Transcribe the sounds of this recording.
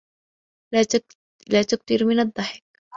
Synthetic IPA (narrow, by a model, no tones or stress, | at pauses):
laːt̪ʊk̚t̪ɪɾmɪnɑd̪ˤːɑħɪ̥k